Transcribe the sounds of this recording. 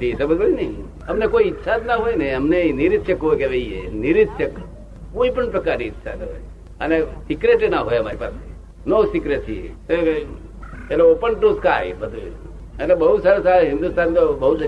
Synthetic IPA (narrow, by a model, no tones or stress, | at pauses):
t̪ʰisəbəd͡ʒoinei | əmnekoiɪt̪ːsʰad̪naɦojneəmnenɪɾɪt̪ʃəkɦojkeʋeiḛnɪɾɪt̪ʃək | koipəɳpɾəkaɾniːt̪ːʃʰa̰d̪ɦḛ | ənesɪkɾeʈenaɦojəmaɾipa̰s | nosɪkɾesʰiḛt̪e | eloopəɳʈoska̰jbəd̪ʱu | ənebəɦusaɾosaɾeɦɪ̃nd̪ust̪ant̪obəɦu